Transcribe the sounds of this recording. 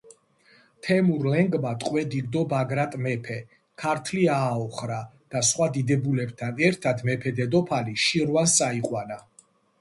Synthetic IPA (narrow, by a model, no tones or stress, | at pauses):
t̪ʰɛmuɾlɛŋɡmat̪ʼqʼwɛd̪iɡ̚d̪ɔbaɡɾat̪ʼmɛpʰɛ | kʰaɾt̪ʰliaːɔχɾad̪̥asχwad̪id̪ɛbulɛbt̪ʰanɛɾt̪ʰad̪mɛpʰɛd̪ɛd̪ɔpʰaliʃiɾwansaiqʼwana